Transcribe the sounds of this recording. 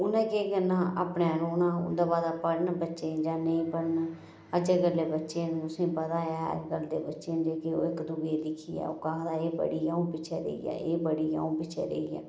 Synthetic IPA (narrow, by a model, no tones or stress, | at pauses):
ʊnɛ̃ːkeːɡənːaːaːpneːɾoːnãːʊ̰d̪aːbaːd̪aːpəɽnbətːʃẽːd͡ʒãːneĩːpəɽn | əd͡ʒeːɡəlːeːbətːʃeːnũt̪ʊsĩːpəd̪aːɦɛ̰ːɾɡəld̪eːbətːʃeːnd͡ʒeːkɪo̰ːɪkd̪ʊɡeːlɪkʰiːɛ̰ːo̰ːkãd̪aːeːbə̰ɽiːjãũːpɪt͡ʃʰeːɾḛːḭjɛ̰ːeːbəɽiːja̰ũːpɪt͡ʃʰɛ̰ːɾḛijɛ̰ː